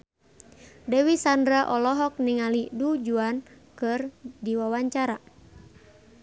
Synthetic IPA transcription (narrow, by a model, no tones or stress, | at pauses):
dɛwisandɾaʔɔlɔɦɔk̚niŋalidud͡ʒuan | kɨrdiwawaɲt͡ʃaɾa